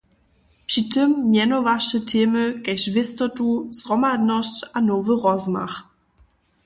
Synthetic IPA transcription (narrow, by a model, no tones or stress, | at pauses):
pʂitəmːjɛnɔvaʂɛtʰeːmɘkɛɕvʲɪst̪ɔtuzʁɔmadnɔɕt͡ɕanɔvəʁɔzma̰x